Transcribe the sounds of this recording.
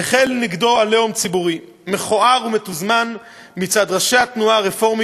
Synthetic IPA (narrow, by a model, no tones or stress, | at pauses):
eχelniɡdo̞aleomt͡sibuʁi | me̞χoaʁumetuzman | mit͡sad̪ʁaʃeat̪nuaʁefo̞ʁm